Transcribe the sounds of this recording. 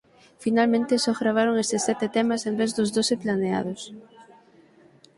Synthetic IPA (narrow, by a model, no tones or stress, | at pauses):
finalmẽnt̪ɪsɔɣɾaβ̞aɾoŋest̪ɪsːɛt̪ɪt̪ɛmasembezðʊzðosɪplanea̰ðʊs